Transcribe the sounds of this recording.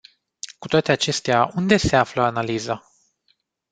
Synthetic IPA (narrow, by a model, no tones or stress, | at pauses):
kut̪oat̪e̞at͡ʃe̞st̪eaʔund̪e̞se̞afləanaliza